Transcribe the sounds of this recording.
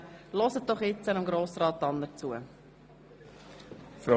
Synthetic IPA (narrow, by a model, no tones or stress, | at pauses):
lɔsət̚d̥ɔχjɪt͡sənəmɡɾoːsrɑːt̪ːɑnd̪əɾt͡suə | fɾo